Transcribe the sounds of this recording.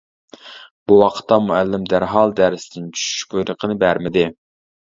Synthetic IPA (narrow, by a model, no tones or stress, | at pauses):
b̥uwɑqʰə̥t̪ːɑmuælːɪmd̪æɾɦɑlˠd̪æɾsɪd̪ɪnt͡ʃʰy̥ʃy̥ʃbojɾəqʰənɨbæɾmɪd̪ɪ